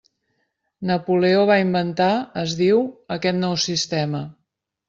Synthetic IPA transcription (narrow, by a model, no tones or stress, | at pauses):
nəpuleoβ̞aimbənt̪aəzðiwəkɛt̪nɔwsist̪ɛmə